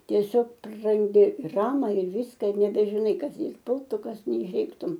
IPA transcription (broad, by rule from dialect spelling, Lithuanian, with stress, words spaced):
tʲiɛˈsʲoːk prɐrɐnʲˈdʲɪ ɪr ˈɑːmɐ ɪr ˈʋʲiːskɐ ɪr nʲɛbʲɛʒʲɪˈnɐɪ ˈkɐs ˈjɛɪ ˈpʊlˠtʊ ˈkɐs nʲɛɪʃʲˈeːktʊm